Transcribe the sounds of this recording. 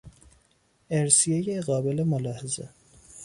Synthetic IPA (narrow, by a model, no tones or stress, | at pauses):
eɾsijejeɣɒːbelemolɑːhezḛ